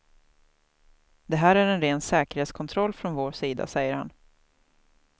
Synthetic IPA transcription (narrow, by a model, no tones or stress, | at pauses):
d̪ɛɦæːɾæɾɛnɾeːnsɛːkəɾheːt̪skʰɔnt̪ʰɾɔlːfɾɔnvoːʂiːd̪a̰sɛjːəɾha̰n